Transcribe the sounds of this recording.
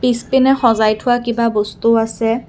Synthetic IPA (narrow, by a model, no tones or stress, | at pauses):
pispinɛxɔzajtʰʊwakibabostuasɛ